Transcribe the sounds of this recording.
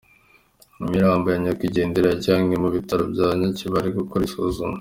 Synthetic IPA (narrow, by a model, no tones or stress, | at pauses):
mumiɾaːmbojaɲakwiɟe̞ːndeɾaɟaːŋɡemuβitaɾo̰bɟaːβɲaciβaɾiɡukoɾisozuma